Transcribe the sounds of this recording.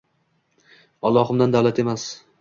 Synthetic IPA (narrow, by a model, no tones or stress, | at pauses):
ɒlˠːɒhɨmd̪and̪awlat̪ʰe̞mas